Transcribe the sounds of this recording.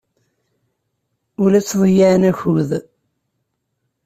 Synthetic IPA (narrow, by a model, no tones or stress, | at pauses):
ʊlæt͡sːðˤəjaʕnæçuð